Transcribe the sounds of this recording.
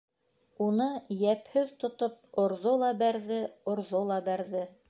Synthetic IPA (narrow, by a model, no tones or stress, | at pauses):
unɤjæphɘðt̪ŏt̪op̚ŏɾðolˠɑbæɾðɘŏɾðolˠɑbæɾðɘ